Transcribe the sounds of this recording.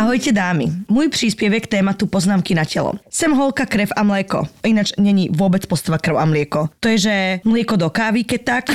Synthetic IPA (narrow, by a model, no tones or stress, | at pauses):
aɦɔjcɛd̪aːmḭmujprispjɛʋjɛkt̪ɛːmat̪upɔznaːmkinacɛlɔ̰sɛmɦɔlˠkakɾɛfamlɛkɔ̰inat͡ʃɲɛɲiʋʊɔbɛt͡spɔst̪aʋakr̩ʊamlɪɛkɔt̪ɔjɛʒɛmlɪɛkɔd̪ɔkaːʋikɛc̚t̪ak